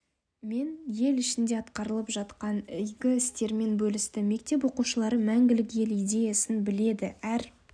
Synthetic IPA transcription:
me̞nje̞lɪʃɪnd̪e̞ɑt̪qɑɾəlˠəpʒɑt̪qɑnʏjɡʲɪɪst̪e̞ɾme̞nbɵlɪst̪ɪme̞k̚t̪e̞p̬wo̞quʃəlˠɑɾəmæŋɡʲɪlɪkje̞lijd̪e̞jasɪnbɪle̞d̪ɪæɾ

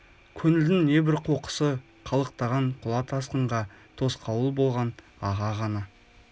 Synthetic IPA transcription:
kʲʰɵnɪld̪ɪŋne̞bɪɾqʰo̞qə̥sə | qʰɑlˠəqt̪ɑʁɑɴqʰʊlˠɑt̪ʰɑsqəɴʁɑt̪ʰo̞sqʰɑwəlˠbo̞lˠʁɑn | ɑʁɑʁɑnɑ

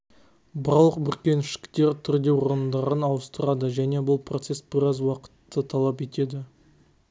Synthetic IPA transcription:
bɑɾlˠəq̚bʏɾkʲe̞nɪʃɪ̥kt̪e̞ɾt̪ʰʏɾd̪e̞woɾənd̪ɑɾənɑlˠəst̪əɾɑd̪əʒæne̞bʊlˠprʔot̪se̞sbɪɾɑzwɑqə̥t̪ːət̪ʰɑlˠɑp̬e̞t̪e̞d̪ɪ

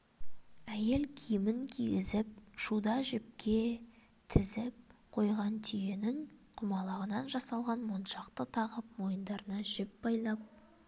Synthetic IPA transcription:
æje̞lkʲʰijɪmɪŋkʲʰiɡʲɪzɪp̚ʃud̪ɑʒɪp̚kʲe̞ | t̪ʰɪzɪp̚qʰo̞jʁɑnt̪ʰije̞nɪŋqʰʊmɑlˠɑʁənɑnʒɑsɑlˠʁɑnmonʃɑqt̪ət̪ʰɑʁəp̚mo̞jənd̪ɑɾənɑʒɪp̚b̥ɑjlˠɑp̚

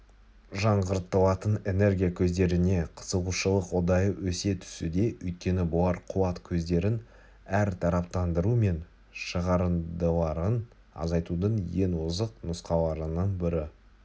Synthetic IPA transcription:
ʒɑɴʁəɾt̪ːəlˠɑt̪əne̞ne̞rɡʲijakʲʰɵzd̪e̞ɾɪne̞qʰə̥səʁuʃəlˠəqwod̪ɑjəwʔɵse̞t̪ʰʏ̥sud̪e̞ɵjt̪̚kʲe̞nɪbʊlˠɑɾqʰʊwɑt̪kʲʰɵzd̪e̞ɾɪn | æɾt̪ʰɑɾɑp̚t̪ɑnd̪əɾume̞n | ʃəʁɑɾənd̪əlˠɑɾən | ɑ̰zɑjt̪ud̪əɴje̞nwʊzəqnʊsqɑlˠɑɾənəɴbɪɾɪ

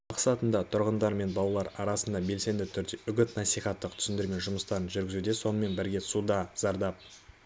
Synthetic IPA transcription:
mɑqsɑt̪ənd̪ɑt̪ʰʊɾʁənd̪ɑɾme̞nbɑlˠɑlˠɑɾɑɾɑsənd̪ɑbe̞lse̞nd̪ɪt̪ʰʏɾd̪e̞ʏɡʲɪt̪nɑsijχɑt̪ːəqt̪ʰʏ̥sɪnd̪ɪɾme̞nʒʊməst̪ɑɾənʒʏɾɡʲɪzud̪e̞so̞nəme̞nbɪɾɡʲe̞sud̪ɑz̥ɑɾd̪ɑp̚

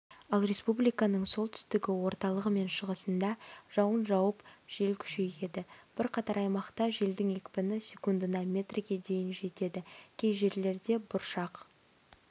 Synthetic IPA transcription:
ɑlˠrʲe̞spublijkɑnəɴso̞lˠt̪ʰʏ̥st̪ɪɡʲɪwo̞ɾt̪ɑlˠəʁəme̞nʃəʁəsənd̪ɑʒ̥ɑwənʒɑwəpʒ̥e̞lkʲʰʏ̥ʃe̞je̞d̪ɪb̥ɪɾqʰɑt̪ɑɾɑjmɑqt̪ɑʒe̞ld̪ɪŋe̞kʲpɪnɪsʲe̞kund̪ənɑmʲe̞t̪rʲiɡʲe̞d̪e̞jɪnʒe̞t̪e̞d̪ɪkʲʰe̞jʒe̞ɾle̞ɾd̪e̞bʊɾʃɑq

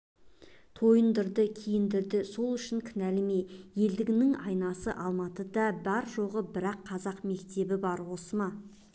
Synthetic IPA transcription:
t̪ʰo̞jənd̪əɾd̪əkʲʰijɪnd̪ɪɾd̪ɪso̞lˠʏʃɪŋkʲʰɪnælɪmejje̞ld̪ɪɡʲɪnɪŋɑjnɑsəʔɑlˠmɑt̪əd̪ɑbɑɾʒo̞ʁəbɪɾɑqʰːɑzɑqme̞kt̪e̞bɪbɑɾwo̞səmɑ

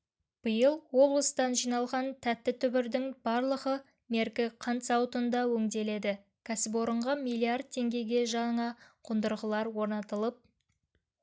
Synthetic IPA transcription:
b̥əjəlˠwo̞blˠəst̪ɑnʒijnɑlˠʁɑnt̪ʰæt̪ːɪt̪ʰʏbɪɾd̪ɪŋb̥ɑɾlˠəʁə | me̞ɾkʲɪqʰɑnt̪sɑwt̪ənd̪ɑwɵŋd̪e̞le̞d̪ɪ | kʲʰæsɪp̬wo̞ɾəɴʁɑmilʲˠːiard̪̚t̪ʰːe̞ŋɡʲe̞ɡʲe̞ʒɑɴɑqʰʊnd̪əɾʁəlˠɑɾwo̞ɾnɑt̪əlˠəp̚

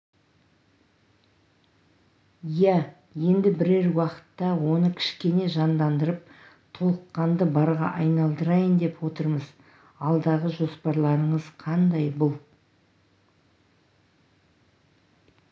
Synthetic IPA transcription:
jæ | je̞nd̪ɪbɪɾeɾwɑqə̥t̪ːɑwo̞nəkʲʰɪ̥ʃkʲe̞ne̞ʒɑnd̪ɑnd̪əɾəp̚ | t̪ʰo̞lˠəqːɑnd̪əbɑɾʁɑ̰ʔɑjnɑlˠd̪əɾɑjənd̪e̞pwo̞t̪əɾməz̥ | ɑlˠd̪ɑʁəʒo̞spɑɾlˠɑɾəɴəz̥qʰɑnd̪ɑjbʊlˠ

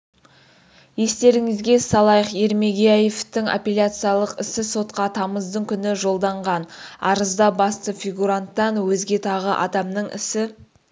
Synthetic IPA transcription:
je̞st̪e̞ɾɪŋɪzɡʲe̞sɑlˠɑjəqeɾme̞ɡʲejajeft̪ɪŋa̰pʲelʲat̪sɨjalˠəqɪsɪso̞t̪qɑt̪ʰɑməzd̪əɴkʲʰʏnɪʒo̞lˠd̪ɑɴʁɑnɑ̰ɾəzd̪ɑbɑst̪əfʲiɡuɾant̪ːɑnwɵzɡʲe̞t̪ʰɑʁəʔɑ̰d̪ɑmnəɴʔɪ̰sɪ

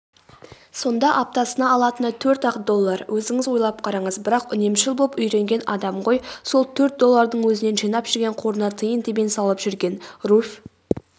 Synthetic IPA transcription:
so̞nd̪ɑʔɑp̚t̪ɑsənɑːlˠɑt̪ənɑt̪ʰɵɾt̪ɑq̪̚d̪o̞lˠːɑɾwʔɵzɪŋɪzwo̞jlˠɑp̚qʰɑɾɑɴəzbɪɾɑqʏne̞mʃɪlˠbopʏjɾe̞ŋɡʲe̞nɑd̪ɑmqo̞jso̞lˠt̪ʰɵɾt̪̚d̪o̞lˠːɑɾd̪əɴwɵzɪne̞nʒijnɑpʒ̥ʏɾɡʲe̞ɴqʰo̞ɾənɑt̪ʰəjənd̪ebensɑlˠəpʒʏɾɡʲe̞nruf

